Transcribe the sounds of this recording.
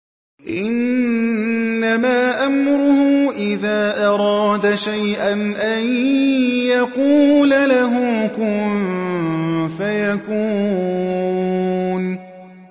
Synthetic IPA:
ʔɪn | amaːʔamɾʊhʊʔɪðaːʔɑɾˤɑːd̪aʃajʔanʔan | jaquːlalaɦʊkʊm | fajakuː | n

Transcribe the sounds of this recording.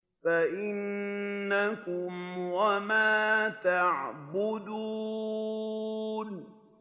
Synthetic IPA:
faʔɪnːakʊmwamaːt̪aʕbʊd̪uː | n

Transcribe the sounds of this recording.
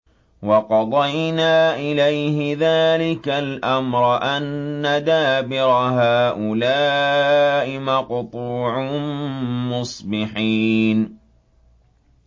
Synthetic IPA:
wɑqɑd̪ˤɑjnaːʔɪlajhɪðaːlɪkalʔamɾˤɑʔanːad̪aːbɪɾɑɦaːʔʊlaː | ʔɪmaqʊt̪ˤuːʕʊ | mʊsˤbɪħiːn

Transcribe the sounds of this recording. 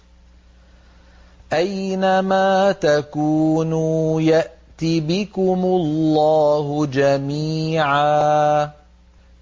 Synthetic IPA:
ʔajnamaːt̪akuːnuːjaʔt̪ibɪkʊmʊllːaːhʊd͡ʒamiːʕaː

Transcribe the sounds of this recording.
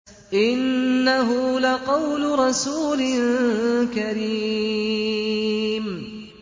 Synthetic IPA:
ʔɪnːaɦʊlaqɑwlʊɾˤɑsuːlɪnkaɾi | m

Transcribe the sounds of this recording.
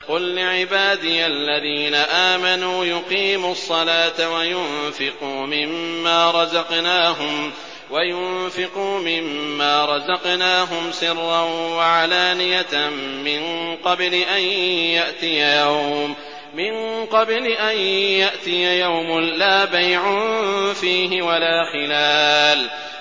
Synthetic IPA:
qʊllɪʕɪbaːd̪ɪjaalːaðiːnaʔaːmanuːjʊqiːmʊsˤːɑlaːt̪awajʊnfɪquːmɪmːaːɾˤɑzɑqnaːɦʊm | wajʊnfɪquːmɪmːaːɾˤɑzɑqnaːɦʊmsɪrːanwaʕalaːnɪjamɪnqɑblɪʔanjaʔt̪ɪjajawmː | ɪnqɑblɪʔanjaʔt̪ɪjajawmʊlaːbajʕʊnfiːɦɪwalaːxɪlaːl

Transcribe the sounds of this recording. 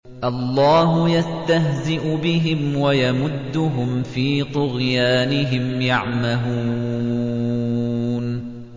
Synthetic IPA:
ʔɑlːɑːɦʊjast̪aɦzɪʔʊbɪɦɪmwajamʊd̪ːʊɦʊmfiːt̪ʊɣjaːnɪɦɪmjɑʕmaɦuː | n

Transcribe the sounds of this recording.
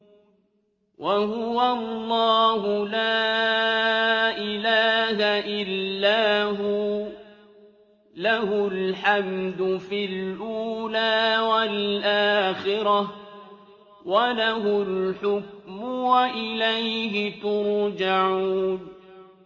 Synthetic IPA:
wʔaɦʊwallˤːɑːɦʊlaː | ʔɪlaːɦaʔɪlːaːɦʊ | lahʊlħamd̪ʊfilʔuːlaːwalʔaːxɪɾɑ | walaɦʊlħʊk̚mʊwaʔɪlajɦɪt̪ʊɾd͡ʒaʕuːn

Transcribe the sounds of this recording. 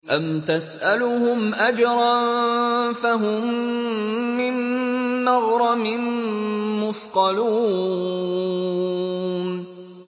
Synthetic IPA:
ʔamt̪asʔalʊhʊmʔad͡ʒɾˤɑn | faɦʊmː | ɪnː | ɑɣɾˤɑmɪnː | ʊsqɑluː | n

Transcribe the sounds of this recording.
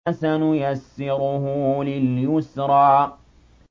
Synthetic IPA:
sanʊjasːɪɾʊhʊlɪljʊsɾˤɑː

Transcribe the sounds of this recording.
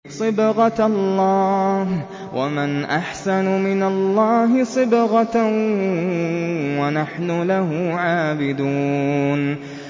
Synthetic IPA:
sˤɨbɣɑlːɑːh | wʔa̰manʔaħsanʊmɪnalːɑːɦɪsˤɨbɣɑ | wanaħnʊlahʊʕaːbɪd̪uːn

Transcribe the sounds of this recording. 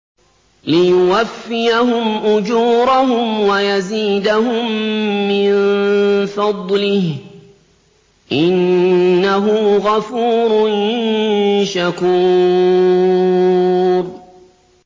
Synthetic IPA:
lɪjʊwafːɪjahʊmʔʊd͡ʒuːɾaɦʊmwajaziːd̪aɦʊmːɪnfɑd̪ˤlɪh | ʔɪnːaɦʊɣafuːɾnɪnnʃakuː | ɾ

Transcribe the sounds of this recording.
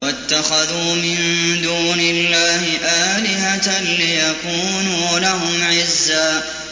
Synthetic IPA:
wat̪ːaxaðuːmɪnd̪uːnɪlːaːhɪʔaːlɪɦat̪lɪjakuːnuːlaɦʊmʕɪzːaː

